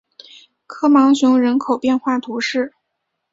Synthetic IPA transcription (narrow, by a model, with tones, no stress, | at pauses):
kʰɤ˥mɑ˧˥ŋɕʊ˧˥ŋɻə˧˥nkʰo˨˩ʊpjɛ˥˧nxwa˥˩t̪ʰu˧˥ʂɻ̩˥˩